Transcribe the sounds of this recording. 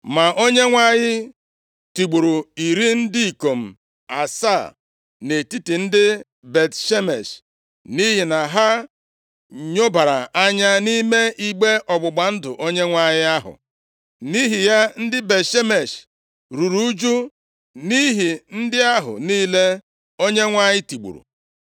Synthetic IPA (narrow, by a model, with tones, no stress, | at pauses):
ma˨ʔo˦ɲe˦ŋʷa˦ɲɪ˦ | ti˨ɡ͡bu˨ɾo˨i˨ɾi˦n̩˦di˦i˨ko˨m̩˨ | a̰˨sa˦˨ | ne˨ti˦ti˨n̩˦dɪ˦ | be˨tʃe˦me˨ʃ | ni˦ɦi˨na˨ɦa˦ | ɲo˦ba˨ɾa̰˨a˦ɲa˦ni˦me˦i˦ɡ͡be˦ʔɔ˨ɡ͡bʊ˨ɡ͡ba˨n̩˦dʊ̰˨ʔo˦ɲe˦ŋʷa˦ɲɪ˦a˦ɦʊ̰˨ | ni˦ɦi˨ja˦n̩˦dɪ˦be˨tʃe˦me˨ʃ | ɾu˨ɾu˦u˦d͡ʒu˦ | ni˦ɦi˨n̩˦dɪ˦a˦ɦʊ̰˨niː˦le˦ | o˦ɲe˦ŋʷa˦ɲɪ˦ti˨ɡ͡bṵ˨ɾṵ˨